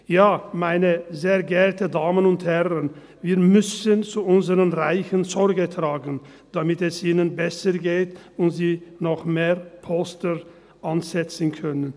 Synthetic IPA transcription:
jaːmaɪnəzeːɐɡɛʁtədaːmənʊnthɛʁən | viːɐmʏsənt͡suʊnzəʁənʁaɪçənzɔɾɡətʁ̥aːɡn̩ | d̥amɪtɛsʔiːnənbɛsəɡeːtʊntziːnɔχmeːpʰɔstə | ʔanzɛt͡sn̩kʰœnən

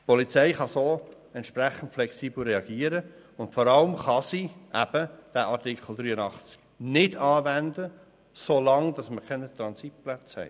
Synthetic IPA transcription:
pɔlit͡sɛɪχɑsoː | ɛntʃpɾæχən̩tflɛksiːbl̩ɾɛɑɡ̥iəɾə | ʊntfɔɾɑləmχɑsiʔæb̥əd̥æːʔɑɾtikχl̩ˠd̪ɾyːənɑχt͡sk | nɪdɑːvændə | soːlɑŋd̥ɑsməkʰɛnət̪ɾɑnsit̚plat͡shɛ̰ɪ

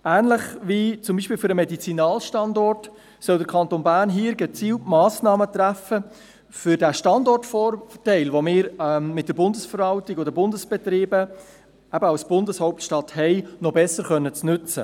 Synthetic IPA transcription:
æːnləχʋiːt͡sʊmbiːʃpɪːlfʏɾəmɛdit͡sinɑːlʃtɑndɔrt | sœldəɾkʰɑntonbæːɾnɦiːɾɡɛt͡siːltmɑːsnɑːmətɾæfə | fʏɾdæʃtɑndɔrtfɔːrtɛɪlʋomɪːɾmɪt̚d̥əɾbʊndəsfəɾʋɑltɪɡod̪əbʊndəsb̥ɛt̪ɾiːbə | æbəɑwsb̥ʊndəshɔʊp̚tʃtɑthɛɪnɔbɛsəɾχœnːət͡snʉt͡sə̰

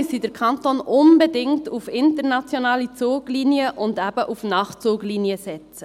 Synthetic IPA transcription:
sidəɾkʰɑntoːnʊnbedɪŋtufɪntəɾnɑt͡sjonɑːlit͡suːɡliːniəʔʊndæb̥əʔufnɑːχt͡suːɡliːniəsɛt͡sə

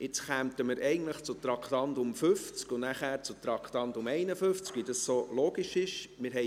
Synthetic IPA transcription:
ɪt͡sχæmtəməɾɛɪɡən̩tləχt͡sʊt̪ɾɑkχtɑndʊmfʏft͡skʊnæχæːɾt͡sʊt̪ɾɑkχtɑndʊmɛɪnəføft͡skvʋidɑssoloːɡiʃɪʃmɪɾɦɛ

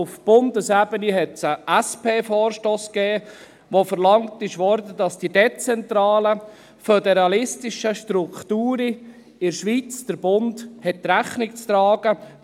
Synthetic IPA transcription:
ʊfb̥ʊndəsæbəniɦɛtsəʔæspeːfɔːɾʃtoːskɛː | ʋofəɾlɑŋtɪʃʋɔɾdədɑsd̥idet͡sɛntɾɑːlə | fødɛɾɑlɪstɪʃəʃtɾuktuːɾi | ɪɾʃʋit͡sd̥əɾb̥ʊndhɛt̚tːɾæχnɪk̚t͡st̪ɾɑːɡ̥ə

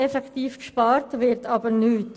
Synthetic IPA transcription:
ɛfɛkt̪iːfkʃpɑːɾtʋɪɾtʰɑbəɾnyːt

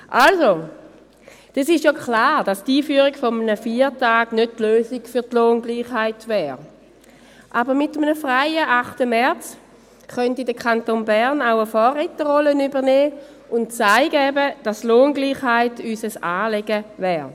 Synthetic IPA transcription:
ʔalso | d̥ɑsɪʃjoklaːʁd̥ɑstiːfyːəʁiɡfɔmənəfiːʁtaːɡnød̚tløːsiɡ̥fyɐtloːnɡliːχhaɪtʋɛːʁ | ʔabəʁmɪtəmənəfʁaɪəʔaχtəmɛɐt͡s | χœntidəkʰantoːnbɛʁnaʊəfɔːʁitəʁɔlənybəʁnɛː | ʊntt͡saɪɡəɛbəd̥astloːnɡliːχhaɪtysəsaːleɡəvɛːʁ

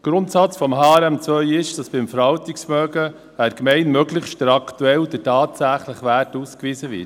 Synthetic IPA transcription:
ɡ̥ɾʊntsɑt͡sfɔmɦɑːɾæmt͡svœʏɪʃd̥ɑsb̥ɪmfəɾhɑltiksmœːɡə | æɾkmɛɪnmœɡləχtd̥ɾɑktuɛld̥ətɑːtsæχləχʋætuːskʋiːsəʋɪ̰t

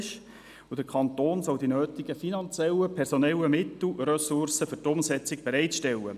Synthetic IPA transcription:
ʃ | ud̥əkʰɑnt̪oːnsɔwdinøːt̪ɪɡ̥əfinɑnt͡sjɛlːəpʰɛɾsɔnɛləmɪtl̩rœsʊrsəføɾtʊmsɛt͡sɪk̚b̥ɛɾɛɪtʃtɛlːə̰

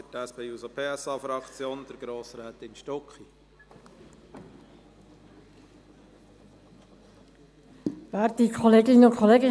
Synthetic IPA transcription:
fətæspeusopʰeːɛsɑːfɾɑkt͡sjoːnd̥̪əɾɡɾoːsɾæːt̪ɪmʃtɔkχi | ʋæːɾdikʰɔleːɡɪnʊkʰɔleːɡɪ

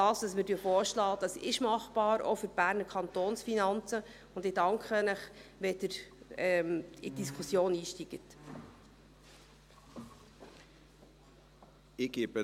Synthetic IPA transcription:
dɑːstɑsmɪdyəfoːʃlɑːd̥ɑsɪʃmɑχb̥ɑːɾɔ̰fʏɾb̥æːɾnəɾkʰɑnt̪oːnsfinɑnt͡sə | ʊndɪdɑŋkχənəχʋɛdəɾɛmid̥iskʰusjoːniːʃtiɡ̥ət | ɪɡ̥ibə

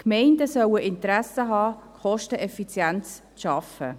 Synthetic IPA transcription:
kmɛɪndəsœwəʔɪnt̪əɾæsəɦɑːkχɔʃtəʔɛfit͡sjænt͡s | ʃɑfə̰

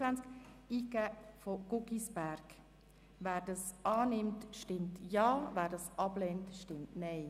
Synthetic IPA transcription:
ænt͡sk | iːɡæːfoɡ̥ʊɡisb̥æɾɡ̥ | ʋæːɾd̥ɑsɑːnɪmtʃtɪmtjɑːvæːɾdɑsʔɑblentʃtɪmtnɛɪ

